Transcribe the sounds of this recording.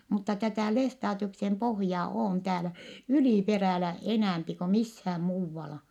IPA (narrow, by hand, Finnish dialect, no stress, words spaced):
mutːɑ tætæˑ lestɑːtiuksem pohjɑː oːn tæːlæ yliˑperæˑlæ enæˑmpi ko mishæːm muːʋːɑlɑ